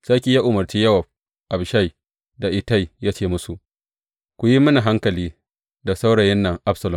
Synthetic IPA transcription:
sa˦kʲi˨ja˦ʔʊ˨mɐ˨rt͡ʃiː˦jɐ˦wɐ˨b̚ | ʔa˨bʃa˦˨j | da˨ʔɪ˨ta˦˨jjaː˦t͡ʃeː˦˨mʊ˦su˨ʔ | kʷʊ˨ji˦mɐ˦na˨ɦa˦ŋkɐ˨liː˦ | da˨sa˦wɽɐ˨jɛ˦nːɐ˨ŋʔa˦bsɐ˨lʊ˨

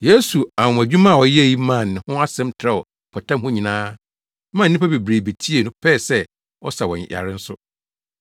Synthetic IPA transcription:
je˦su˨a˨ʊ̃˨æ˨d͡ʑᶣu˦mã˦˨wɔ˨jji˦mã˦˨nːɪ̃˨hʊ̃˦a˦sɛ̃˦mtʰɾɛ˦ɔ˨ | pʰɔ˨tʰã˦mhʊ̃˦ɲĩ˨nãː˦ | mã˦˨nː˦ĩ˦pʰa˦be˨bɾe˨be˨tʰi˦e˨nʊ̃˦pʰɛ˦˨sɛ˦ | ɔ̰˦sa˨wɔ̰̃˨n˨ja̰˨ɾɪ˦n̩˦sʊ˦

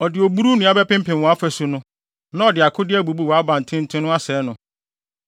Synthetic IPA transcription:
ɔ˨dɪ˨o˨bu˦ɾu˦nʊ̃˨˦a˦bɛ˦pɪ̃˦m̩˦pɪ̃˨mwɔ̃˨˦a˦fæ˨su˨nʊ̃˦ | nã˦ɔ˨dɪ˨a˨kʰʊ˦dɪ˦æ˦bu˨bu˦wɔ˨a˦bã˨n̩˨tʰɪ̃˦n̩˦tʰɪ̃˦nʊ̃˦a˦sɛː˨˦nʊ̃˦

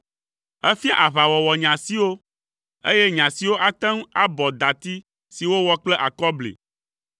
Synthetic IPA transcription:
ɛ˦fi˦a̰˦ʔa˨βa˨wɔ˨wɔ˨ɲã˨si˦wo˦ | ḛ˦jɛ˦ɲã˨si˨wo˦ʔa˨t̪ɛ˦ŋ˦a˦bɔ˨d̪a˨t̪i˦ | si˨wo˦wɔ˦k͡plɛ˦ʔa˨kɔ˦blḛ˨

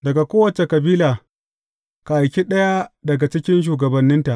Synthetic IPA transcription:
dɐ˨ɡa˨kʷoː˦wɐ˨t͡ʃe˨kɐ˨biː˦laː˨ | ka˨ʔa˨jkʲi˦ɗɐ˦ja˦dɐ˨ɡa˨t͡ʃɪ˦kʲɪ˦nʃ̬uː˨ɡɐ˨bɐ˨nːɪ˦nta˨ʔ

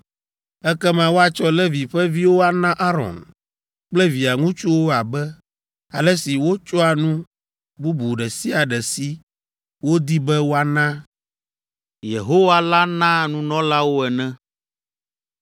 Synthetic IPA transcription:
ɛ˦kɛ˦mã˦wo˦a˨t͡ʃɔ˦lɛ˦vi˨ɸɛ˦vi˦wo˦a˨nã˦ʔa˦ɾɔ̰˨n | k͡plɛ˦vi˨a˨ŋũ˦t͡ʃu˦wo˦a˨bɛ˦ | a˨lɛ˦si˨wo˦t͡ʃɔ˦a˨nũ˦ | bu˦bu˨ɖɛ˨si˦a˨ɖɛ˨si˦ | wo˦d̪i˦bɛ˦wo˦a˨nã˦ | jḛ˨ɦo˦wa˦la˦nã˦nũ˦nɔ̃˦la˦wo˦ɛ˨nɛ̃˦

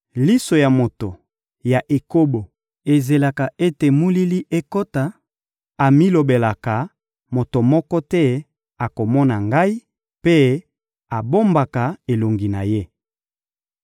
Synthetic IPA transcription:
li˦so˨ja˨mo˨to˨ | ja˨ʔe˨ko˦bo˨ | e˨ze˨la˨ka˨e˦te˨mu˦li˦li˦ʔe˦ko˦ta˨ | a˨mi˦lo˨be˨la˨ka˨ | mo˨to˨mɔ˦kɔ˦tɛ˦ | a˨ko˨mɔ˦na˨ŋɡa˦i˦ | pe˦ | a˨bo˦mba˨ka˨e˨lo˨ŋɡi˨na˨je˦

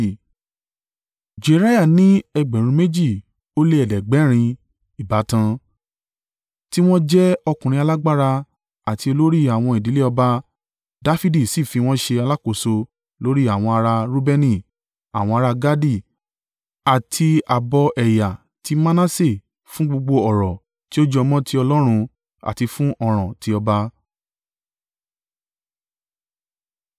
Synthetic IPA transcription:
d͡ʒe˨ɾa˦ja˦˨nĩ˦ɛ˧ɡ͡bɛ̃˨ɾ̃ũ˧me˦d͡ʒi˦˨ | o˦le˦ɛ˨dɛ˨ɡ͡bɛ˨˦ɾ̃ĩ˧ | i˨ba˨˦tã˧ | ti˦w̃ɔ̃˦d͡ʒɛ˦ɔ˧kũ˨ɾ̃ĩ˧a˧la˦ɡ͡ba˦ɾa˧ | a˨ti˧o˧lo˦ɾi˦a˨w̃ɔ̃˧i˨di˨˦le˦ɔ˧ba˧ | da˦fi˦di˦˨si˦˨fi˧w̃ɔ̃˦ʃe˧a˧la˦ko˦˨so˧ | lo˦ɾi˦a˦˨w̃ɔ̃˧a˧ɾa˧ɾo˦bɛ˧nĩ˦˨ | a̰˨w̃ɔ̃˧a˧ɾa˧ɡa˦di˦˨ | a˨tʰi˧a˨bɔ˧ʔɛ˨ja˨ | ti˨˦ma˦nã˦se˦˨ | fũ˦ɡ͡bo˧ɡ͡bo˧ɔ˨ɾɔ˨ | ti˦o˦d͡ʒɔ˧mɔ̃˦tʰi˦ɔ˧lɔ˦ɾ̃ũ˧ | a̰˨ti˧fũ˦ʔɔ˧ɾ̃ɔ̃˨ti˨˦ɔ˧ba˧

